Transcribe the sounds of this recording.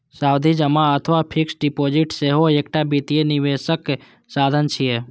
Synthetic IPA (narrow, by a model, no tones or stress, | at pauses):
saːwd̪ʱid͡ʒəmaət̪ʰʋapʰɪksɖipoːd͡ʒiʈseɦoekʈabit̪ijeniʋeʃək | saːd̪ʱənt͡ʃʰije